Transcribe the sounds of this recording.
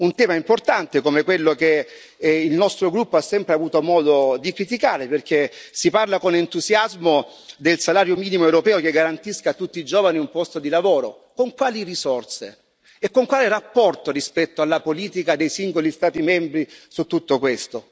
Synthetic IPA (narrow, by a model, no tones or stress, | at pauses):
unt̪ɛːmaimport̪ant̪ekomekwelːoke | ilnɔst̪ɾoɡɾupːoasːɛmpɾeavuːt̪omɔːd̪od̪ikɾit̪̬ikaːɾeperk̟esiparlakonent̪uzjazmo | d̪elsalaːɾjomiːnimoewɾopɛːokeɡːaɾant̪iskat̪ːut̪ːiːd͡ʒɔːvaniumpɔst̪od̪ilavoːɾo | koŋkwaːlirisɔrt̪se | ekːoŋkwaːlirapːɔrt̪orispɛt̪ːoalːapoliːt̪ikad̪ejsiŋɡolist̪aːt̪imɛmbɾisut̪ːut̪ːokwest̪o